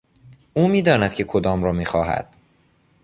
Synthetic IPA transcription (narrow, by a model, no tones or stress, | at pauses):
ʔuːmiːd̪ɒːnæd̪̚cʰe̞kʰod̪ɒːmɾɒːmiːxɒːɦæ̰d̪̥